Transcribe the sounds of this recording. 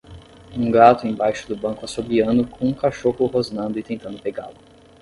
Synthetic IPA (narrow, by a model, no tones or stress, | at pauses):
ũɡat̪ʊẽj̃bajʃʊ̥d̪ʊbɐ̃ŋkʊasobiɐ̃nd̪ʊkʰõũkaʃohʊhoznɐ̃nd̪ʊɪt̪ẽnt̪ɐ̃nd̪ʊpeɡa̰lʊ